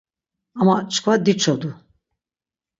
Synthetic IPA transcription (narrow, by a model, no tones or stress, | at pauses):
amat͡ʃkvad̪it͡ʃʰɔd̪u